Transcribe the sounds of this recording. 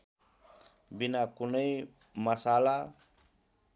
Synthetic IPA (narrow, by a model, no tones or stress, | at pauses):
binakunʌj | mʌsala